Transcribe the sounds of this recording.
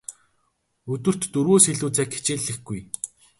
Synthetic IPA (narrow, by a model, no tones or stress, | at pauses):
ɵt̪ɵ̆r̥t̪ːɵɾɣoːsxeɮuːt͡sæːkʰe̥t͡ɕeːɮɘ̆xɡuj